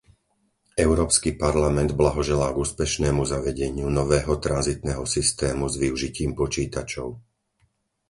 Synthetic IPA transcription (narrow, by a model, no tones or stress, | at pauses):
ɛʊɾɔːpskipaɾlamɛnd̪blaɦɔʒɛlaːɡuːspɛʃnɛːmuzaʋɛɟɛɲɪunɔʋɛːɦɔt̪ɾanzit̪nɛːɦɔsist̪ɛːmuzʋiuʒiciːmpɔt͡ʃiːt̪at͡ʃɔʊ